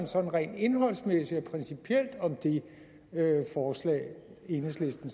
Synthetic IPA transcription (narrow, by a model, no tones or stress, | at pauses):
nsɒ̽n̩ʁɛ̰ːnd̥e̝nɦɒ̽l̰smesi̥ɒ̽pʰʁɛnsipʰiel̰d̥ɒ̽md̥e̝ | øfɒːslɛ̰ːɪe̝nəsle̝sd̥n̩